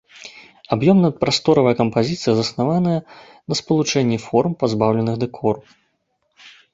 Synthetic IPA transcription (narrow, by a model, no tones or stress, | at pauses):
abjɔmnɐpɾʔast̪ɔɾɐvɐjɐkɐmpazʲit̪sɨjɐzɐsnavanɐjɐ | nɐspɐlˠut͡ʂɛnʲːɛfɔrmpazbawlʲɛnɨɣd̪ɛkʰɔru